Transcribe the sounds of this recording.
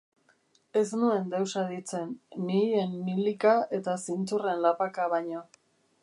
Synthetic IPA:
e̞snue̞nd̪e̞wsaðit͡se̞nːije̞nmilikae̞t̪asint͡sure̞nlapakaβaɲo

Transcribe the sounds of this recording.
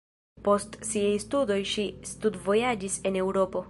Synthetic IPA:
po̞stsiajstudo̞jʃistudvo̞jad͡ʒise̞ne̞wɾo̞po̞

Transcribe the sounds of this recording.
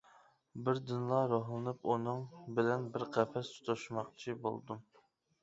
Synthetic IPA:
bɪɾd̪ɨnlˠɑɾoɦlˠɨnɨpunɨŋbɪlɛnbɪɾqʰɛfɛst̪ʰu̥t̪ʰoʃmɑqt͡ʃʰibo̰lˠd̪u

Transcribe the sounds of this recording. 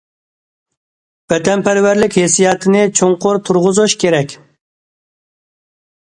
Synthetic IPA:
b̥ɛd̪ɛnpʰæɾwæɾlɪkʲhesijɑt̪ʰɪnɪt͡ʃʰoŋqʊɾt̪ʰuɾʁʊzuʃkʲeɾɛkʲ

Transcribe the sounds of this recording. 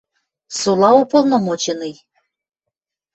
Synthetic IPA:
sulˠɑupolˠnomot͡ɕenɨj

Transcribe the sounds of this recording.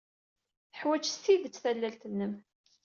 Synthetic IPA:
θəħwæt͡ʃsiðət͡sːθælːælt̪ənːəm

